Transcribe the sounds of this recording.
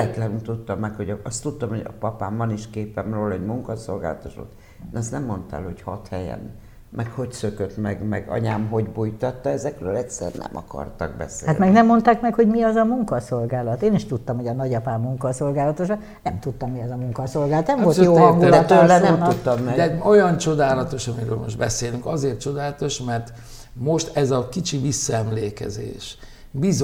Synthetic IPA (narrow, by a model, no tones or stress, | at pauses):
ɛt̪lɛnynt̪ut̪ːɒmːɛkhoɟɒst̪ːut̪ːɒmhoɟɒpɒpaːmvɒniʃkeːpɛmroːlɒɛɟmuŋkɒso̞lɡa̰ːlɒt̪oʃo̰t̪ː | nɛst̪nɛmːo̞nt̪aɛ̰ːlho̞chɒt̪hɛjɛ̰n | mɛkho̞csøkøt̪mɛɡmɛɡɒ̰ɲaːmɦo̞ɟbujt̪ɒt̪ːɒɛzɛkrøːlɛtsɛ̰rnɛ̰mʔɒ̰kɒ̰rt̪ɒ̰ɡbɛ̰sḛːat̪mɛɡnɛmːo̞nt̪aːkmɛkho̞ɟmiɒzɒmuŋkɒso̞lɡaːlɒt̪eːniʃt̪ut̪ːɒmhoɒnɒɟɒpaːmuŋkɒso̞lɡaːlɒt̪oʃɒ | nɛmt̪ut̪ːɒmːiɒzɒmuŋkɒso̞lɡaːlɒt̪nɛmmvoløːŋɡ̪ɛɒt̪øɛɛmnːut̪ːɒmːɛd̪ɛojɒnt͡ʃo̞d̪aːlɒt̪o̞ʃɒmiɾøːlmo̞ʒd̪bɛseːlyŋkɒzeːrt̪t͡ʃo̞d̪aːlɒt̪o̞ʃmɛrt̪ | mo̞ʃt̪ɛzɒkit͡ʃivisːɒɛmleːkɛ̰zḛːʃ | biz